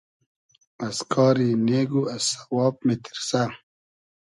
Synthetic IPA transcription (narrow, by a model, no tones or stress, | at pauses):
askʰɑːɾineːɡuasḁwɑːp̚mit̪ʰi̥ɾsa